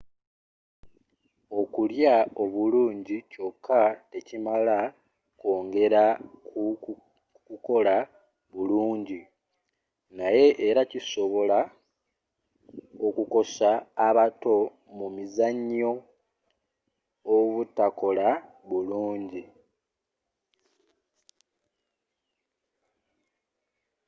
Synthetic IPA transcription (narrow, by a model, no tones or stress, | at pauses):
o̞kuljao̞βuluːɲɟico̞kʰːaecimala | ko̞ːŋɡe̞ɾaku | kuko̞la | βuluːɲɟi | naje̞ʔːɾaciso̞βo̞la | o̞kuko̞saːβato̞ | mumizaɲːo̞ | βutako̞la | βuluːɲɟi